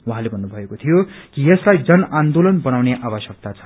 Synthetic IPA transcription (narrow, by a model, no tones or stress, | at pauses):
wuɦãlebʱʌnːubʱʌekot̪ʰijokijʌslajd͡zʌnʔand̪olʌnbʌnawneʔaβʌsjʌk̚t̪at͡sʰʌ̥